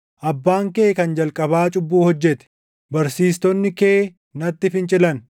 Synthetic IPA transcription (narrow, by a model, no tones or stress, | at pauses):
ʔɐbːaːŋkeːkɐnd͡ʒɐlkʼɐbaːt͡ʃʼʊbːuːhɔd͡ʒːɛt̪ɛ̥ | bɐɾsiːst̪ɔnːɪkeː | nɐt̪ːɪfɪnt͡ʃʼɪlɐn